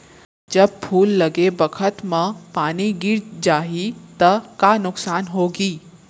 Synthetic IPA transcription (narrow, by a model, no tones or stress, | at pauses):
d͡ʒɐb̚pʰuːlːɐɡebəkʰət̪mɐ̃paːniɡɪɾd͡ʒaːɦit̪ɐkanʊksaːnɦoːɡiː